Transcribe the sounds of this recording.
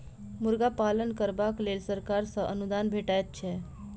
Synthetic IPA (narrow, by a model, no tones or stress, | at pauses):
muɾɡapalənkəɾbaklelsəɾkaɾsə̃ʔənud̪anbʱeʈajt̪̚t͡ʃʰɛ